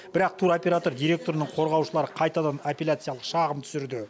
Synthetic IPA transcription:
bɪɾɑq̚t̪ʰuɾopʲe̞ɾat̪o̞ɾd̪ijɾe̞k̚t̪o̞ɾənəɴqʰo̞ɾʁɑwʃəlˠɑɾəqʰɑjt̪ɑd̪ɑnapʲelʲat̪sɨjalˠəqʃɑʁəmt̪ʰʏ̥sɪɾd̪ɪ

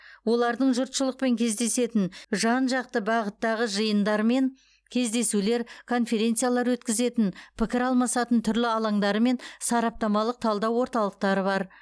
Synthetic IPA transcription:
wo̞lˠɑɾd̪əɴʒʊɾt̪ʃəlˠəq̚pe̞ŋkʲʰe̞zd̪e̞se̞t̪ɪnʒɑnʒɑq̚t̪əbɑʁət̪ːɑʁəʒəjənd̪ɑɾme̞ŋ | kʲʰe̞zd̪e̞sule̞ɾkʰo̞nfe̞ɾʲe̞nt̪sɨjalˠɑɾwɵt̪kʲɪze̞t̪ɪnpʰɪkʲɪɾɑlˠmɑsɑt̪ənt̪ʰʏɾlɪɑlˠɑɴd̪ɑɾəme̞nsɑɾɑp̚t̪ɑmɑlˠəq̚t̪ʰɑlˠd̪ɑwo̞ɾt̪ɑlˠəq̚t̪ɑɾəβɑɾ

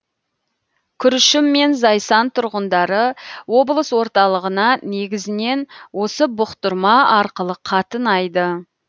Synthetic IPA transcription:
kʲʰʏɾɪʃɪmːe̞nzɑjsɑnt̪ʰʊɾʁənd̪ɑɾəwo̞blˠəswo̞ɾt̪ɑlˠəʁənɑne̞ɡʲɪzɪne̞nwo̞səbʊqt̪ʊɾmɑɑɾqəlˠəqʰɑt̪ənɑjd̪ə

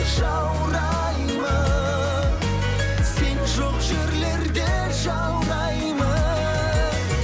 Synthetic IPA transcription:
ʒɑ | wɾɑ | jmə | senʒoqʒeɾleɾd̪e | ʒɑ | wɾɑj | mə

